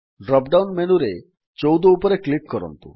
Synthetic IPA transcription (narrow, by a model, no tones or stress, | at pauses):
ɖɾɔp̚ɖawnmenuɾe | t͡ʃowd̪oupoɾeklip̚kɔɾɔ̰nt̪ṵ